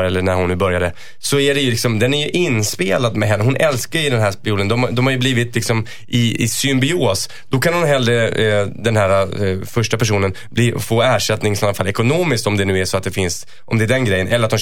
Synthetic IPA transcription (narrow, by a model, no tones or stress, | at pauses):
ɾɛlːəɳæɾhʊnːʉ̟ːbœɾjad̪ə | sɔæɖɛjɵlɪksɔmd̪ɛnæɾjɵʔɪnspḛːlad̪mɛɦɛnːəɦʊnʔɛlskaʏd̪ɛnɦæːʂpɪuːlənd̪ɔmad̪ɔmhaɾjɵbliːvɪt̪lɪksɔm | ʔɪɪsʏmbɪoːs | d̪̥ɔkʰanhʊnɦɛlɾəd̪ɛnhæːɾafœʂʈapæʂuːnən | blḭːfoːæːʂɛt̪nɪŋɪsɔnːafalːɛkʊnoːmɪskt̪ɔmd̪ɛnʉ̟ːæʂɔat̪̚d̪ɛfɪns | ʔɔmd̪ɛæɖɛnɡɾɛjːənʔɛ̰lːɾat̪hʊn